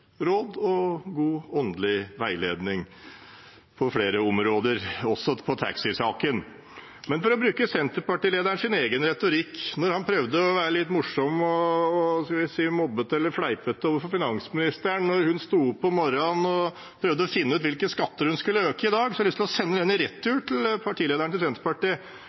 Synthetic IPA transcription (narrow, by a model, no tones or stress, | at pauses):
ɾod̪ɔɡuːɔnd̪əlɪʋæɪleːd̪nɪŋ | pʰɔfɽeːɾəɔmɾoːd̪əɾɔsɔpʰɔt̪ʰæ̰ksɪsɑːkən | mɛnfɔɾɔbɾʉːkəsɛnt̪əɾpɑʈiːleːd̪æɳʂɪneːɡənɾɛt̪ʊɾɪkːnɔɾhɑnpʰɾœʋd̪əɔʋæːɾəlɪt̪ːmʊʂɔmɔːskɑlʋɪsiːmɔbːət̪ɛlːəɾfɽæɪpət̪ːoːʋəɾfɔɾfɪnɑŋsmɪnɪst̪əɳnɔɾhʉnst̪uːʊpːɔmɔɾɔnɔ | pʰɾœʋd̪əɔfɪnːəʉːt̪ʋɪlkəskɑt̪ːəɾhʉnskʉlːəøːkəɪd̪ɑːɡsɔɑlʏst̪lɔsɛnːəd̪ɛnɪɾɛt̪ʰːʉːʈʰɪlpʰɑʈʰiːleːd̪æɳt̪ɪlsɛnt̪əɾpɑʈiː